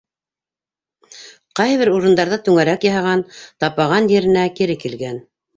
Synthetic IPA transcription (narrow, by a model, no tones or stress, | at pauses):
qɑjβɘɾuɾɤ̆nd̪ɑɾðɤt̪ʉŋæɾækjɑɦɑʁɑnt̪ɑpɑʁɑnjɘ̆ɾɘ̆nækiɾɘkilɡæn